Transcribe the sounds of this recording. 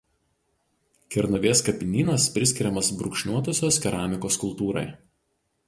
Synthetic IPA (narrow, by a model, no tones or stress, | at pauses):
kʲɛɾnɐʋʲeːskɐpʲɪnʲiːnɐspʲɾʲɪsʲkʲɪɾʲɛmɐsbɾʊkʃʲnʲuɔt̪oːsʲoːskʲɛɾɑːmʲɪkoːskʊlˠt̪uːɾɐ̰ɪ